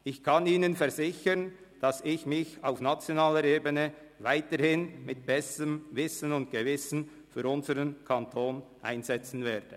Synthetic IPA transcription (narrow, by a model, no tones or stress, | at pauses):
ʔɪçkʰaniːnənfɛɐʁzɪçən | d̥asɪçmɪça̰ʊfnat͡sjonaːləɾeːbənə | vaɪtəɾhɪnmɪt̚b̥ɛsəəmvɪsənʊnt̚ɡ̥əvɪsn̩ | fyːɾʊnzəʁənkʰantʰoːnʔa̰ɪnzɛt͡sn̩vɛːd̥ə